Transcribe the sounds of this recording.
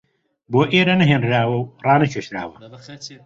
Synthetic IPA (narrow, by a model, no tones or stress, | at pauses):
boːʔeːɾɐnɐɦeːnɾaːwɐwrɑːnɐt͡ʃʰeːʃɾa̰ːwɐ